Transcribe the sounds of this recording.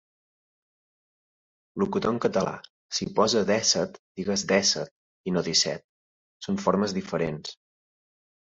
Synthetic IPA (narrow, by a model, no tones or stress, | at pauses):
lukut̪oŋkət̪əla̰ | sipɔzəðɛsət̪d̪̥iɣəzd̪ɛsə̰t̪̚ | inoðisɛ̰t̪̚ | soɱfoɾməzðifəɾens